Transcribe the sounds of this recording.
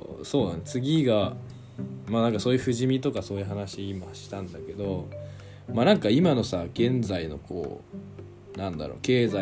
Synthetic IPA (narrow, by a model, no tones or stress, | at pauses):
so̞ːnant͡sɨɡʲiɡa | manãŋkasoːjɯ̟ɸɯ̟ʑimʲit̪o̞kaso̞ːjɯ̟ɦanaɕiːmaɕi̥t̪ãnd̪ake̞d̪o̞ | manãŋkaimano̞saɡ̥ẽ̞nd͡zaino̞̰kʰo̞̰ː | nãnd̪a̰ɾo̞̰ːke̞ːza